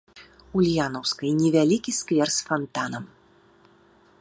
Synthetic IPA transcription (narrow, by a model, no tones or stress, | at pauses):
ulʲjanɐwskɐjnʲɛvʲalʲikʲiskvʲɛrsfant̪anɐm